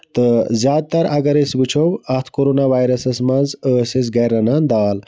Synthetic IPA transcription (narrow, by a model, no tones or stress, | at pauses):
t̪əzʲjaːd̪̚t̪ɐɾɐɡɐɾesbɨt͡ʃʰowɐt̪ʰkoɾonaʋaːjɾɐsɐsmɐnzəːses̬ɡɐjɾɐnand̪aːl